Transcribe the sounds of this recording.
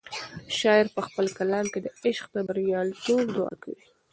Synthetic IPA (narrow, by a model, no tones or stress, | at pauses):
ʃɑjɪɾpəxpəlkalɑmked̪əɪʃqt̪abaɾjɑlʈob̚d̪ʊɑ̰ka̰wi